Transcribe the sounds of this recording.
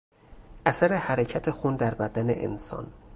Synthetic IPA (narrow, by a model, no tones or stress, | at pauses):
ʔæsæɾe̞hæɾecʰæt̪ʰe̞xund̪æɾbæd̪ænḛʔḛnsɒ̰n